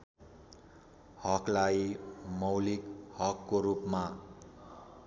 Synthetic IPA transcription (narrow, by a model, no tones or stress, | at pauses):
hʌklajmʌwlikhʌkːoɾupma